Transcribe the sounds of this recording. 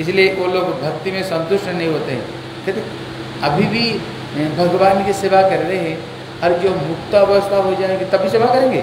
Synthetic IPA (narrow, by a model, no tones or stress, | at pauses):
ɪsilieʋoloːɡbʱɐk̚t̪imẽsɐ̃nt̪ʊʃʈnɐɦĩɦoːt̪eɦɛ̰̃ː | ket̪e | ɐbʱibʱi | bʱɐɡʋaːnkiseʋakɐɾɾɐeɦɛ̃ | ɔːɾd͡ʒoːmʊkt̪aʋɐʋst̪aɦod͡ʒaːeɡet̪ɐbʱiseːʋʱakɐɾẽːŋɡḛː